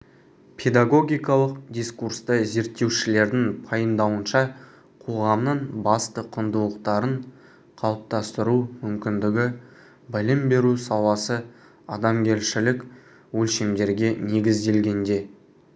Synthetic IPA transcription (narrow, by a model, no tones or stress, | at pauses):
pʰe̞d̪aɡo̞ɡʲijkɑlˠəq̚d̪ʲijskurst̪əze̞ɾt̪ːe̞wʃɪle̞ɾd̪ɪŋpʰɑjəmd̪ɑwənʃɑ | qʰo̞ʁɑmnəɴbɑst̪əqʰənd̪ulˠəqt̪ɑɾəɴ | qʰɑlˠəp̚t̪ɑst̪əɾumʏmkʲɪnd̪ɪɡʲɪ | bɪlɪmbe̞ɾusɑlˠɑsə | ɑd̪ɑmɡʲe̞lʃɪlɪk | wɵlʃemd̪e̞ɾɡʲe̞ne̞ɡʲɪzd̪e̞lɡʲe̞nd̪e̞